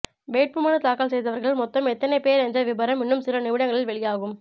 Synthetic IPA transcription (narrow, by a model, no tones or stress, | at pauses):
ʋeːʈ̚pɯmaːnɐt̪aːkaːlsɛjðɐʋɐɾɣɐɭlmɔt̪ːɐmɛt̪ːɐnɐɪpeːɾɛɲd͡ʒɐʋɪbɐɾɐmɪnːɯmsɪlɐnɪʋɪɽɐŋɡɐɭɪlʋɛɭɪjaːɣɯm